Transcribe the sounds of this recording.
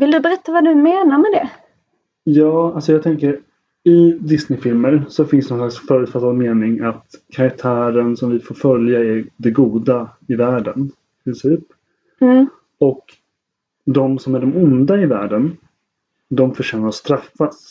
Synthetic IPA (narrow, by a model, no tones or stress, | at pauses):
vɪld̪ɵbɛɾɛt̪ːavad̪ɵmeːnaɾmɛd̪ɛ | jɑːalsɔjɑːɡt̪ʰɛŋkəɾ | ɪd̪ɪsnɪfɪlməɾsɔfɪ̃nst̪nɔnslaksfœːɾʉt̪fat̪ːad̪meːnɪŋat̪kʰaɾak̚t̪ʰæːɾənsɔmvɪfoːɾfœljaæɾɖ̪ɛɡuːd̪aɪvæːɖən | ɪpʰɾɪnsiːp | ɔk | d̪ɔmsɔmæɖɛmʊnd̪aɪvæ̰ːɖən | d̪ɔmfœʂɛːnaɾɔst̪ɾafːas